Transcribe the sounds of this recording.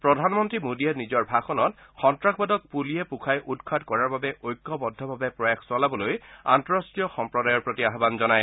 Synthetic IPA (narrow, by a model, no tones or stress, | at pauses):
pɹɔdʱanmɔntɹimodiɛtnizɔɹbʱaxɔnɔt | xɔntɹakʰbadɔk̚pulijɛpukʰajʔudkʰadkɔɹaɹbabɛʔojkːɔbɔdʱɔbʱabɛpɹɔjaxʰsɔlabɔloja̰ntɔɹɔstɹijɔxɔmpɹɔdajɔɹpɹotiaɦbanzɔnaj